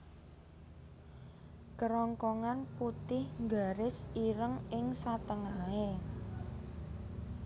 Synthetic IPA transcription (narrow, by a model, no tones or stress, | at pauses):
kəɾɔŋkɔŋanput̪ɪhŋɡaɾɪsiɾəŋɪŋsat̪əŋae